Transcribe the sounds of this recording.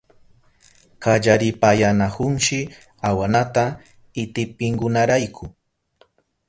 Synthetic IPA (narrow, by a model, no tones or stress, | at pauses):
kaʎaɾɪpajanahʊnʃɪ | awanat̪a | ɪt̪ɪpɪŋkʊnaɾajkʰʊ